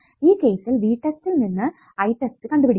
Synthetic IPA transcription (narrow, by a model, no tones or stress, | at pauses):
iːke̞ːsilʋiːʈːestilninːɨ | ɐjʈːestɨkɐɳɖupiɽikː